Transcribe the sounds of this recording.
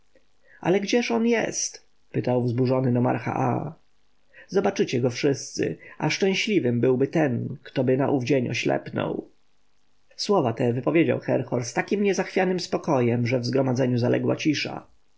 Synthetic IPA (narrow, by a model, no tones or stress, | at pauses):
ʔa̰lɛɡd͡ʑɛʂɔnjɛ̰st̪ | pɘt̪awvzbuʐɔnɘnɔma̰ɾxa̰ʔa̰ | zɔbat͡ʂɘt͡ɕɛɡɔfʂɘst̪sɘ̰ʔaʂt͡ʂɛ̃w̃ɕlʲivɘmbɘwbɘt̪ɛnkt̪ɔbɘna̰ʔuvd͡ʑeɲɔ̰ɕlɛ̰pnɔ̰w | swɔvat̪ɛvɘpɔvʲjed͡ʑa̰wxɛɾxɔɾst̪akʲimɲɛzaxfʲjanɘmspɔkɔjɛmʐɛvzɡɾɔmad̪zɛɲuzalʔɛ̰ɡwa̰t͡ɕiʂa̰